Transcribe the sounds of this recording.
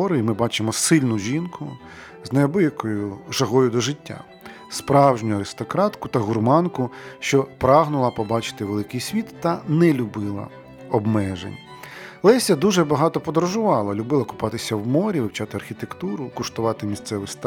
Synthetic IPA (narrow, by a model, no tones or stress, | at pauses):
ɔɾɪimɪbɑt͡ʃɪmɔsɪlʲnʊʒʲinkʊ | znɐjɔbɔjɐkɔjʊʒɐɦɔjʊd̪ɔʒɪtʲːa̰ | spɾɑwʒnʲʊɐɾɪst̪ɔkɾɑt̪kʊt̪ɐɦʊrmɑnkʊʃt͡ʃɔpɾɑɦnʊlˠɐpɔbɑt͡ʃɪ̥t̪ɪʋelˠɪkɪjsʲʋʲit̪ːɐnɛlʲʊbɪlˠɐ̰ | ɔbmɛʒḛnʲ | lˠɛsʲɐd̪uʒɛbɐɦɑt̪ɔpɔd̪ɔɾɔʒʊʋɑlˠɐlʲʊbɪlˠɐkʊ̥pɑt̪ɪsʲɐwmɔɾʲiʋɪwt͡ʃɑt̪ɪɐrxʲit̪ekt̪uɾʊkʊʃt̪ʊʋɑt̪ɪmʲisʲt̪sɛʋɪst̪